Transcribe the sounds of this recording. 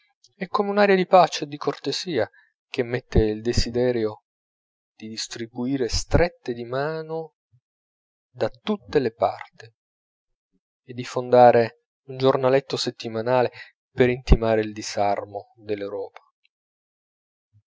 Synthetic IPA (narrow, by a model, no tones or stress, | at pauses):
ɛkːomeunaːɾjad̪ipat͡ʃeːd̪ːikort̪eziːa | k̟emːet̪ːeild̪ezid̪ɛːɾjo | d̪̥id̪ist̪ɾibuiːɾest̪ɾet̪ːed̪imaːno | d̪at̪ut̪ːelepa̰rt̪i | ed̪ːifond̪aːɾe | und͡ʒornalet̪ːoset̪ːimanaːle | peɾint̪imaːɾeild̪izarmo | d̪elːewɾɔːpḁ